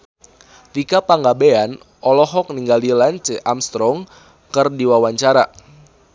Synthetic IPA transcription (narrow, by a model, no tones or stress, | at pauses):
t̪ikapaŋɡabean | ɔlɔɦɔk̚niŋɡalilant͡ʃeʔamst̪ɾɔŋ | kərdiwawaɲt͡ʃaɾa